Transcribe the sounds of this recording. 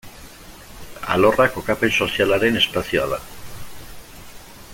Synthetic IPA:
a̰lo̞rako̞kapenso̞sialaɾe̞ne̞spasioa̰ð̞a̰

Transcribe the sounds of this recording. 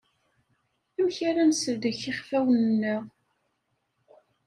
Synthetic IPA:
æmçaɾænsəvd̪əçiχfæwənnːəʁ

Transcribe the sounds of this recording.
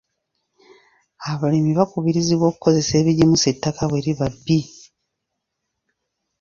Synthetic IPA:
aβalimiβakuβiɾiziβwo̞ːku̥ko̞ze̞se̞ːβiɟimusetːakaβweɾiβabːi

